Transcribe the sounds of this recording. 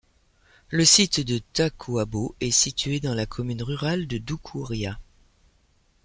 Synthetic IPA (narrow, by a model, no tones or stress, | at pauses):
ləsit̪d̪ət̪akʰuaboɛsit̪ɥed̪ɑ̃lakʰɔmynʁyʁald̪əd̪ukʰuʁja